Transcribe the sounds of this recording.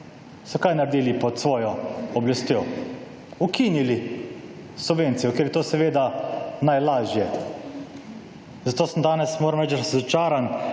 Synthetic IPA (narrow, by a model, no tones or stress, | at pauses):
sɔkajnaɾd̪iːlipɔt̪sʋɔːjɔɔblast̪joː | ukinili | subʋeːnt̪sijɔkeːɾbjɛt̪oːsɛʋeːd̪anajlaːʒjɛ | zat̪oːsəmd̪aːnɛsmoːɾamɾɛːt͡ʃd̪aɾazɔt͡ʃaːɾan